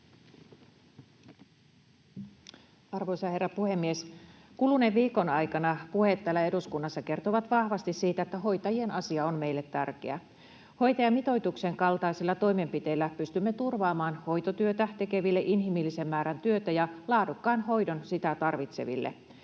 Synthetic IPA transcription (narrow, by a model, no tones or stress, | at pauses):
ɑrʋojsɑɑhe̞rːɑpuhe̞mːies | kuluneʋʋiːko̞nɑjkɑnɑpuhe̞t̪ːæːlːæe̞duskunːɑsːɑke̞rt̪oʋɑt̪ʋɑhʋɑst̪issiːt̪æet̪ːæɦo̞jt̪ɑjie̞nɑsiɑonme̞jlːe̞t̪ːærkḛæ̰ | ho̞jt̪ɑjɑmit̪o̞jt̪ukse̞ŋkɑlt̪ɑisilːɑt̪o̞jme̞mpit̪e̞ilːæpyst̪ymːet̪urʋɑːmɑːnho̞jt̪ot̪yøt̪æt̪e̞ke̞ʋilːeʔinɦimilːise̞mːæːɾænt̪yøt̪æjɑlɑːdukːɑːnho̞jdo̞nsit̪æt̪ɑrʋit̪se̞̰ʋḭlːḛ